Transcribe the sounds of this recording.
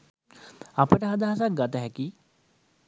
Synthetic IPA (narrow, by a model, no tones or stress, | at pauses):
apəʈəɦad̪aɦasak̚ɡat̪əɦɛki